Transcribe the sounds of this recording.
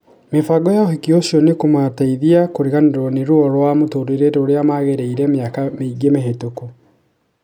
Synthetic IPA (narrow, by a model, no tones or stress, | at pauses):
mefaɡɔjaohikioɕiɔnekomataiðiakoɾeɣandeɾɔneɾwɔɾwamotoɾeɾetoɾeamaɣeɾeiɾɛmeakameiɡemeɦetoku